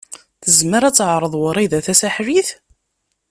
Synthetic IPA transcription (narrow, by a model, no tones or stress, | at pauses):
θəzməɾæt͡sːʕɾˤəðˤwəɾˤiðæθæsæħɾiθ